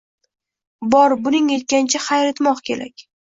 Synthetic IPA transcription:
bɒɾbʊnɪŋe̞t̪̚kʲant͡ʃʰaχajɾat̪mɒqkʲʰe̞̰ɾa̰kʲ

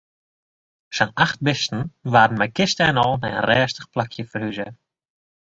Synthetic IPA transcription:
ʃanaχt̚bɪstn̩vaːdn̩mɛjkɪstəɛnɔlˠnɛ̰jə̰nrɛːstə̥χplakʰjəfərhyzə

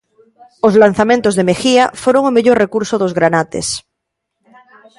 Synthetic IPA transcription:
ozlanθamẽnt̪ozðemexiafoɾoŋomeʝoɾrekuɾsoðozɣɾanat̪ḛs

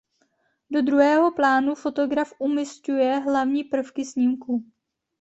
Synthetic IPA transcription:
do̞d̪ɾuɦɛːɦo̞plaːnufo̞t̪o̞ɡɾafʔumɪscujɛɦlavɲiːpr̩fkɪsɲiːmku

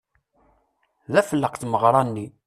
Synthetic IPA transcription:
ðæfəlːəqθməʁɾˤɑnːi

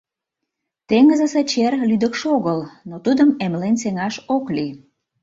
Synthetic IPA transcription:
t̪eŋəzəset͡ɕerlyd̪əkʃoɣəlnot̪ud̪əmemlenseŋɑʃokli

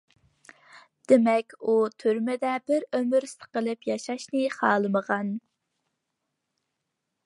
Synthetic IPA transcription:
d̪̥emɛkʲut̪ʰyɾmɪd̪ɛbɪɾømyɾsə̥qəlˠɨpjɑʃɑʃnɨχɑːlˠɨməʁɑn

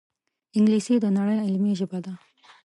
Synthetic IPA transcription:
ɪŋɡlisid̪ənaɽəjɪlmiʒɪbad̪a

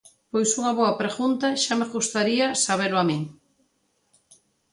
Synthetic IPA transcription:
pojsuŋɐβɔapɾeɣunt̪ɐʃameɣust̪aɾiɐsaβ̞elʊamĩŋ

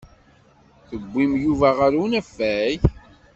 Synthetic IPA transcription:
θəɡʷːimjuvæʁaɾunæfːæj

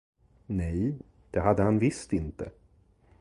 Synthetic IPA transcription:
nɛj | d̪̥ɛɦad̪ːəhanvɪst̪ɪnt̪ə

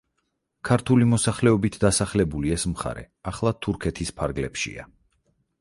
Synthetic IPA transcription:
kʰaɾt̪ʰulimɔsaχlɛɔbit̪ʰd̪asaχlɛbuliɛsmχa̰ɾɛ̰ | aχlˠat̪ʰuɾkʰɛt̪ʰispʰaɾɡlɛpʃḭa̰

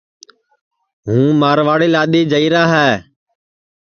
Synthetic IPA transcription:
ɦũːmaːɾʋaːɽeːlaːɗ̪eːd͡ʒəiːɾaːɦɛː

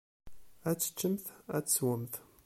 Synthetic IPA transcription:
æt͡sːə̥t͡ʃːəmθæt͡sswəmθ

